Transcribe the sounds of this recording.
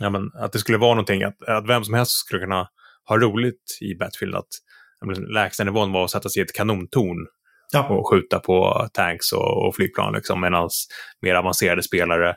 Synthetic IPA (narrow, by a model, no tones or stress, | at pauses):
jaːmɛna̰t̪̚d̪ɛskɵlːəvɑːɾnɔnt̪ʰɪŋːʔa̰t̪at̪vɛmsɔmhɛlst̪skɵlːəkʰɵnːa | hɑːɾuːlɪɡt̪ɪ̰bɛt̪fɪlna̰t̪ | ɛmɛnlɛːkst̪ənɪvoːənvaɾɔsɛt̪ːasɛɪɛt̪kʰanuːnt̪ʰuːɳ | ɔɧʉ̟ːt̪apʰɔ̰t̪ʰæŋksɔ̰ɔ̰flyːɡ̚pʰlɑ̰ːnlɪ̰ksɔ̰mːeːd̪ansmeːɾavanseːɾad̪əspeːlaɾə